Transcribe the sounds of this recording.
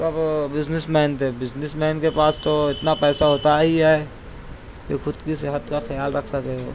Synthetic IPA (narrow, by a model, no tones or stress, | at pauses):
t̪ɐbbɪznɪsmɛːnt̪ebɪd͡ʒnɪsmɛːnkepaːst̪oɪt̪napɛːsaɦoːt̪aɦiɦɛɛ | kexʰʊd̪kisɪɦət̪kaxɐjaːlɾɐkʰsɐkeɦoː